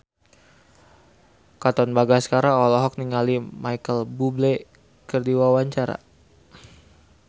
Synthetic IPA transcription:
kat̪ɔnbaɡaskaɾaɔlɔɦɔk̚niŋalimajkəlbuble | kərdiwawaɲt͡ʃaɾa̰

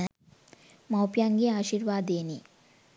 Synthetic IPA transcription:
mɐwpjaːŋɡiaːʃiːɾʋaːd̪eːni

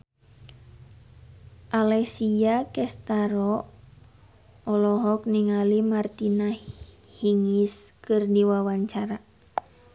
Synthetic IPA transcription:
ʔalɛsijakɛst̪aɾɔ | ɔlɔɦɔk̚niŋalimart̪ina | hiŋiskɨrdiwawaɲt͡ʃaɾa

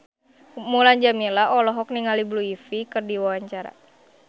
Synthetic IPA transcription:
mulaɲd͡ʒamilaʔɔlɔɦɔk̚niŋalibluifikɨrdiwawaɲt͡ʃaɾa̰

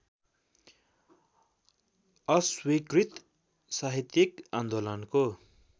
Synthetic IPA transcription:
ʌswikrit̪ | saɦit̪jʌkand̪olʌnko

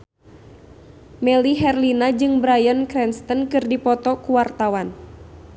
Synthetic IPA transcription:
mɛliɦɛrlinad͡ʒɨŋbɾajənkɾɛnst̪ənkɨrdipɔt̪ɔkuwart̪awan

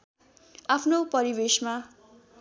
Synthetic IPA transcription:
apʰnopʌɾibesma

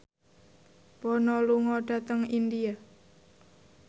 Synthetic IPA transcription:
pɔnɔluŋɔɖ̥a̤t̪əŋindia

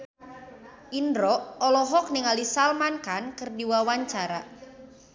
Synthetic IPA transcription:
ʔindɾɔʔɔlɔɦɔk̚niŋalisalmankankɨrdiwawaɲt͡ʃaɾa

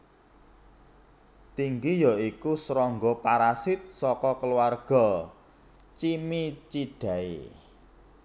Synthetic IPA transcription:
t̪iŋɡijɔikusɾɔŋɡɔpaɾasɪt̪̚sɔkɔkəluwarɡ̥ɔ̤ | t͡ʃimit͡ʃiɖ̥a̤ḛ

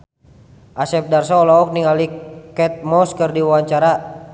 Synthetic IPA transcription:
ʔasɛp̚darsɔɔlɔɔk̚niŋalikɛt̪̚mɔskərdiwwaɲt͡ʃaɾa

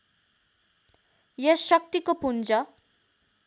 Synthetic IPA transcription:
jʌsʌk̚t̪ikopund͡zʌ

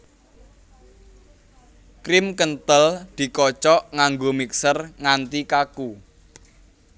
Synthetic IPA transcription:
kɾɪmkənt̪əld̪̥i̤kɔt͡ʃɔʔŋaŋɡomiksərŋant̪ikaku

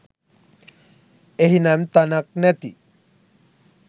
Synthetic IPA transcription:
eɦinamt̪anak̚nɛt̪ḭ

